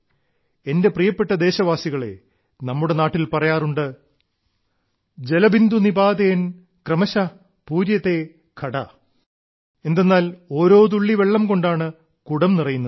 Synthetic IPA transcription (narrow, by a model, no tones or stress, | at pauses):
e̞nde̞prijɐpːe̞ʈːɐd̪e̞ːɕɐʋaːsiɣɐɭe̞̰ | nɐmːuɽe̞naːʈːilpɐrɐjaːruɳɖɨ | d͡ʑe̞lɐbind̪unibaːd̪ejɐn | krɐmɐɕɐ | puːɾjɐt̪ːe̞ | kʰɐɽɐ | e̞nd̪e̞nːaːlo̞ːɾo̞ːt̪̬uɭːiʋe̞ɭːɐmko̞ɳɖaːɳɨ | kuɽɐmnirɐjunːɐ